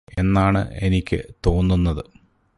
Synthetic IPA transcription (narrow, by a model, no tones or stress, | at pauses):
e̞nːaːɳɨ̰e̞nikʲːɨ̰t̪o̞ːnːunːɐðɨ